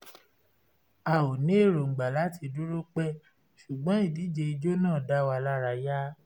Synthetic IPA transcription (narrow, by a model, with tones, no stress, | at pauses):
a˨o˨nĩ˨˦e˦˨ɾo˨ŋ͡m̩˨ɡ͡ba˨la˨˦ti˧du˦ɾo˦k͡pɛ˦ | ʃu˨ɡ͡bɔ̃˨˦i˦˨di˨˦d͡ʒe˧i˧d͡ʒo˦nãː˦˨da˦wa˧la˦ɾa˧ja˦